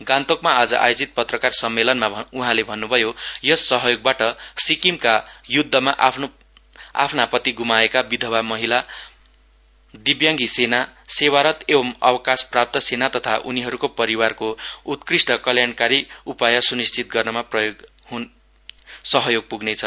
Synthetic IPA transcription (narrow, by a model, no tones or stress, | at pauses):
ɡant̪okmaad͡zʌʔa̰jod͡zit̪̚pʌt̪rʌkarsʌmːelʌnmauɦãlebʱʌnːubʱʌjojʌsʌɦʌjoɡ̚baʈʌsikimkajud̪ʱːʌmaʔpʰn | a̰pʰnapʌt̪iɡumaekabid̪ʱʌwamʌɦila | d̪ibjaŋɡisenasewaɾʌt̪ebʌmʌ̰wʌkasprap̚t̪ʌsenat̪ʌt̪ʰaʔuniɦʌɾukopʌɾiwarkout̪krisʈʌkʌljankaɾiupajʌsunist͡sʰit̪̚ɡʌrnʌmaprʌjoɡ | ɦun | sʌɦʌjoɡ̚puɡnet͡sʰʌ